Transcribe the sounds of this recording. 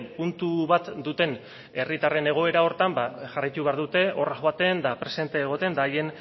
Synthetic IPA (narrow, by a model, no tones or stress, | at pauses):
punt̪uβat̪d̪ut̪e̞n | e̞rit̪are̞ne̞ɣ̞o̞e̞ɾao̞ɾt̪ambaʝarajt̪uβ̞eaɾðut̪e̞o̞raʝoat̪e̞nd̪apɾe̞se̞nt̪e̞ːɣo̞t̪e̞nd̪aːje̞n